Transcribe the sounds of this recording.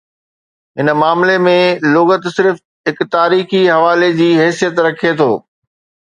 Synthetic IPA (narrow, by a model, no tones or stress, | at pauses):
ɦɪnmaːmlemẽlʊːɣət̪sɪɾf | ɦɪkt̪aːɾiːxiɦɐʋaːled͡ʑiːɦɛːsijət̪ɾɐkʰet̪ʰoː